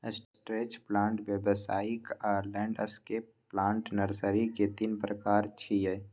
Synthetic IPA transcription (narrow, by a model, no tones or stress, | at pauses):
əsʈɾeːt͡ʃplãːɳʈʋjəbəsaːɪkaːɾlɛ̃ːɳɖəskeː | lãːɳʈnəɾsəɾiket̪inpɾəkaːɾt͡ʃʰiɦɛː